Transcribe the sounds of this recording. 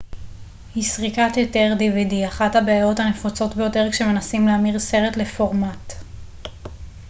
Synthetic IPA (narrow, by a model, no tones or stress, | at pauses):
hisʁikat̪jote̞ʁdividiaχathabeajo̞thane̞fot͡so̞tbejote̞ʁkʃe̞me̞nasimleamiʁse̞ʁe̞tle̞foʁmat